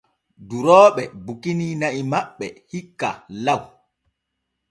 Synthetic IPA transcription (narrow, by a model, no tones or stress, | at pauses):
duɾɔːɓɛbukiniːnaʔimaɓːɛhikːa̰law